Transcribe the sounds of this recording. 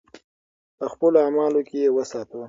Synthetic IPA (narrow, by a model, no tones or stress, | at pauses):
pəxpəloamɑlokejewəsɑt̪əw